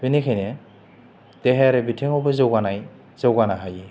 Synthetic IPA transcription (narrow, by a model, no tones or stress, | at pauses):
binekʰajne | teɦeɾebitʰeŋɔbɯzawɡanaj | z̥awɡanaɦaji